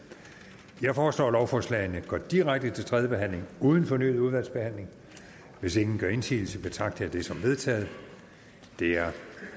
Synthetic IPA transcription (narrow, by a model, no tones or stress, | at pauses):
jɑ̈ɪfɒːslɒ̰ːlɒʊfɒːslɛ̰ɪnəɡ̥ɒd̥iʁaɡ̥̚d̥ət͡sʰe̝lt͡sʰʁɛðˠjəb̥e̝ɦæn̰le̝ŋuːð̞ˠən̩fɒ̽ny̰ːð̩ˠuð̞ˠʋæl̰sb̥e̝hæn̰le̝ŋ | ʋe̝se̝ŋn̩ɡ̥ɶɐe̝nsʰḭːl̩səb̥et͡sʰɑ̈ɡ̥̚d̥əæd̥e̝sɒ̽mʋe̝ð̞ˠt͡sʰɛ̰ːð̞̩ˠ | d̥e̝æɐ